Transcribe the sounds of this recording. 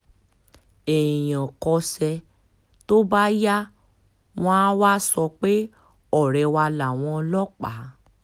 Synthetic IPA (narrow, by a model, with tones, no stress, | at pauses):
e˨ĩ˨j̃ɔ̃˨kɔ˧sɛ˧ | to˦ba˦ja˦ | w̃ɔ̃˦wa˦sɔ˧k͡pe˦ | ɔ˦˨ɾɛ˨˧˦wa˧la˨w̃ɔ̃˧lɔ˦k͡pa˨˦